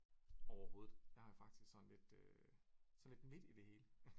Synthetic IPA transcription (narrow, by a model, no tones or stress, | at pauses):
ɒʊɐho̝ːð̩ˠj̥ɑhɑ̈jafɑ̈ɡ̥d̥isɡ̥sɒ̽nle̝d̥ø | sɒn̩led̥me̝d̥id̥e̝he̝ːlə